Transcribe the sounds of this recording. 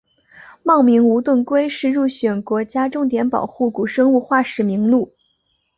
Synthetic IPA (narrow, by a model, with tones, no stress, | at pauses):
mɑ˥˩ŋmi˧˥ŋu˧˥t̪wə˥˩nkwe˥ɪʂɻ̩˥˧ɻu˥˩ɕɥɛ˨˩nkwɔ˧˥t͡ɕja˥ʈ͡ʂʊ˥˩ŋt̪jɛ˧˥npɑ̰˨˩ʊxu˥˩ku˨˩ʂɤ˥ŋu˥˧xwa˥˩ʂɻ̩˨˩mi˧˥ŋlu˥˩